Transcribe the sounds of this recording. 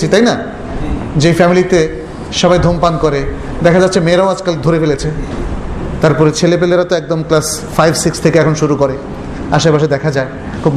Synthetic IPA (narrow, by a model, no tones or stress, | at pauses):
it̪ajna | d͡ʑejfɛmilit̪e | ʃɔbajd̪ʱompankoɾe | d̪ɛkʰad͡ʑat̪ːɕʰemeːɾaoad͡ʑkald̪ʱoɾefelet͡ɕʰe | t̪aɾpɔɾet͡ɕʰelep̬eleɾat̪oɛk̚d̪omklas | fajbsikst̪ʰekeɛkʰonʃuɾukoɾe | aʃepaʃ̬ed̪ɛkʰad͡ʑae | kʰub